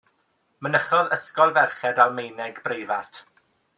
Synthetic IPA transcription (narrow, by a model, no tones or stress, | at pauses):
mənəχɔðəskɔlˠvɛrχɛdalˠmejnɛɡbrejvatʰ